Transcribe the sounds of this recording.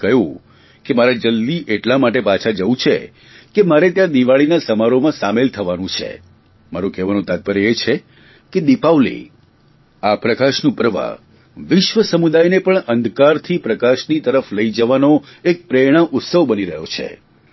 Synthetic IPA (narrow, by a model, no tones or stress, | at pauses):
kəɦjũ | kemaɾad͡ʒəld̪iʔeʈlamaʈ̬epat͡ʃʰad͡ʒəũt͡ʃʰḛ | kemaɾet̪jãd̪iʋaɭinasəmaɾomãsamelt̪ʰəʋanũt͡ʃʰḛ | maɾũkɛʋanũt̪at̪̚pəɾeet͡ʃʰe | ked̪ipaʋlḭ | apɾəkaʃnũpəɾʋa̰ | ʋɪʃʋəsəmud̪ajnepəɳənd̪ʱkaɾt̪ʰipɾəkaʃnit̪əɾəfləid͡ʒəʋanoek̚pɾeɽ̃ãʔʊt̪səʋbəniɾəɦjot͡ʃʰḛ